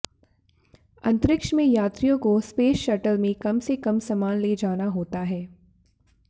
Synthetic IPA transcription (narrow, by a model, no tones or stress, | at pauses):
ɐ̰̃nt̪ɾɪkʃmẽjaːt̪ɾijõkospeːʃɐʈəlmẽkɐmsekɐmsɐmaːnleːd͡ʒaːnaɦoːt̪aɦɛː